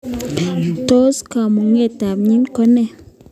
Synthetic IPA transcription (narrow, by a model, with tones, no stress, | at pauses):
to˦ska˨mo˨ŋe˦˨ta˨mɲi˦nkɔ˦nɛ˦˨